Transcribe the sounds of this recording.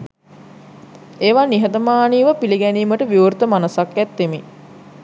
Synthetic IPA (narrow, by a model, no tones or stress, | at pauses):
eːʋaːniɦət̪əmaːniːʋəpiliɡæniːməʈəʋiuɾt̪əmanəsakːæt̪ːemi